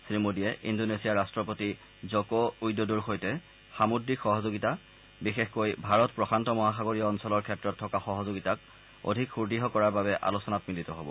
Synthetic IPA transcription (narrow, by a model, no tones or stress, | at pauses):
sɹimodiɛʔḭndonesijaɹastɹɔpoti | zɔkɔujdoduɹxojtɛ | xamudɹikxɔɦɔzoɡita | bixexkojbʱaɹɔtpɹɔxʰantɔmɔɦaxaɡoɹiɔːnsɔlɔɹkʰɛtːɹɔtʰːɔkaxɔɦɔzoɡitak̚ | o̰dʱikxuɹdiɦɔkɔɹaɹbabɛʔa̰lusɔnatmilitɔɦɔbɔ̰